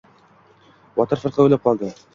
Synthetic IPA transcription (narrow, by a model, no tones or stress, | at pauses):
wɑt̪ɤɾfɤ̆ɾqɤɘ̆lɘp̚qɑlˠd̪ɤ